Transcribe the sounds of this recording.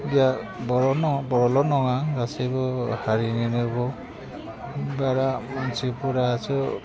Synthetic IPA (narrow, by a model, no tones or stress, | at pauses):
bjabɔɾɔnɔbɔɹɔlɔnɔŋaŋɡasebɔhaɹininɯbɔ | baɾasipuɾaasɔ